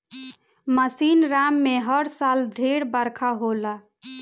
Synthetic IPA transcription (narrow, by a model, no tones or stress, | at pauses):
məsinɾamːeɦəɽsald̪ʱeɽbəɾkʰaɦola